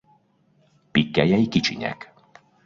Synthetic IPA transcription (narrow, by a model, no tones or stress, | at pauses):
pikːajaikit͡ʃḭɲa̰k